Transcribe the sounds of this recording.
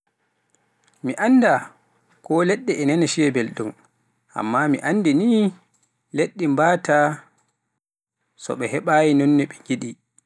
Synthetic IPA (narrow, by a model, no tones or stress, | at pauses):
miʔanːda | kɔlɛɗːɛʔɛnɛnɛʃiɛbelɗum | ʔa̰mːamiʔanːdiniː | leɗːimbaːta | sɔ̰ɓɛhɛɓaːjinɔnːɛɓɛŋɡiɗi